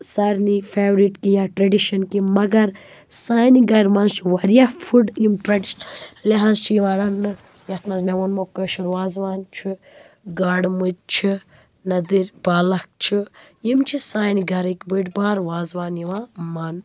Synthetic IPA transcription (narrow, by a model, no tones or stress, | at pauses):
sɐɾnifʰeːʋɾiʈkijaːʈɾɐɖiʃɐnkimɐɡɐɾ | saːjniɡɐɾmɐnt͡ʃʰiwɐɾjafʰuɖjimʈɾɐɖiʃnleɦanzt͡ʃʰijiʋãːɾɐnːɨ | jɐt̪mɐzmewunmokɐʃuɾwaːzʋaːnt͡ʃʰi | ɡaːɖmud͡ʒ̚t͡ʃʰi | nɐd̪iɾʲbaːlɐk̚t͡ʃʰijimt͡ʃʰisaːjniɡɐɾikʲbɨʈbaːɾʋaːzwaːnjiʋamɐn